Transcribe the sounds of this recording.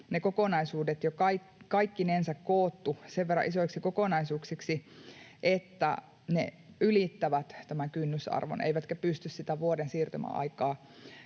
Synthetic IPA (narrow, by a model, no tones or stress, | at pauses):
nekokonɑisuːdet̪jokɑikkɑikːinensækkoːt̪ːuseʋʋerɑ̰ʔisoiksikokonɑisuːksiksiʔet̪ːæ̰ | nḛylit̪ːæʋæt̪t̪æmæŋkynːysɑ̰rʋo̰nḛiʋæt̪kæpyst̪yssit̪æʋuodensiːrt̪ymæ̰ʔɑ̰ikɑː